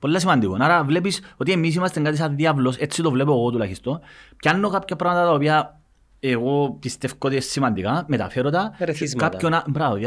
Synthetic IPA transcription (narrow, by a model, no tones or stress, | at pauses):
po̞lːɐs̬imɐnd̪ikonɐɾɐvle̞piso̞t̪iemis̬imɐst̪eŋɡaɐt̪is̬ɐðiɐvlo̞set͡sːit̪ovlep̬oɣo̞t̪ulɐçist̪o̞npcɐnːokapçɐpɾɐmɐt̪ɐt̪ɐopiɐ | eɣopist̪efkot̪esːimɐnd̪ikɐmet̪ɐ̰feɾod̪ɐɾzkapçonɐbɾɐoðɐ